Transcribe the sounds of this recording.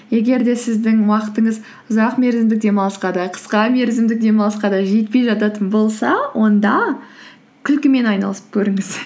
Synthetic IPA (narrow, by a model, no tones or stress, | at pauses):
je̞ɡʲe̞ɾd̪e̞sɪzd̪ɪŋwɑqət̪əɴəz | ʊzɑqme̞ɾzɪmd̪ɪk̚d̪e̞mɑlˠəsqɑd̪ɑqʰə̥sqɑme̞ɾzɪmd̪ɪk̚d̪e̞mɑlˠəsqɑd̪ɑʒe̞t̪pe̞jʒɑt̪ɑt̪ənbo̞lˠsɑwʔo̞nd̪ɑ | kʲʰɪlkʲɪme̞nɑjnɑ̰lˠəsə̥p̚kʲʰɵɾɪŋɪz̥